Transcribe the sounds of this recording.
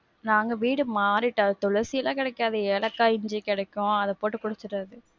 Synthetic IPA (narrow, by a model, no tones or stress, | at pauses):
naːŋɡɐʋiːɽɯmaːɾɪʈːɐðɯt̪ɔɭɐɾsɪjɐlãːkɪɽɐɛkːaːðɯɛɭɐkːaːɪɲd͡ʒikɪɽɐkːʊ̃ɐðɐpoːʈːɯkʊɽɯt͡ʃːɯrːɐðɯ